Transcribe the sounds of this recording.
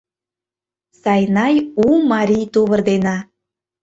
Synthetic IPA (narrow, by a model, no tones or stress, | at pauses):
sɑjnɑjumɑɾʲijt̪uβərd̪enɑ